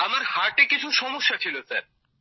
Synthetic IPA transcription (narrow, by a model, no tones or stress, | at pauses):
amaɾhaɾʈekit͡ɕʰuʃɔmoʃːat͡ɕʰilosaɾ